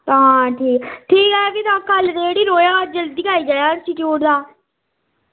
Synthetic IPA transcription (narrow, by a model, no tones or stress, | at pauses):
t̪ãːʈʰiːkʈʰiːkɦɛːkit̪ãːkəld̪eːɽiːɾoːjãːd͡ʒəlɪkʰaːiːd͡ʒaːjãːnsʈɪʈijuːʈd̪aː